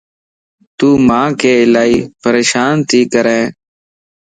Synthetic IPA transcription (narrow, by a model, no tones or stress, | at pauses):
t̪uːmãːkeːɪlaːiːpəɾeːʃaːnt̪ʰiːkəɾɛ̃ː